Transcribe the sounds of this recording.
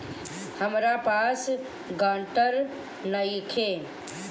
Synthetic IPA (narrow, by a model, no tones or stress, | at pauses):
həmɾapaːs | ɡãːɳʈəɾ | nəjkʰe